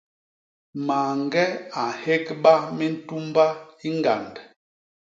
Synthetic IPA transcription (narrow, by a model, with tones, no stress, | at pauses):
ma˨ŋɡɛ˦a˨he˦kɓa˦mɛ˦n̩˦tu˦mba˦i˦ŋɡa˨nd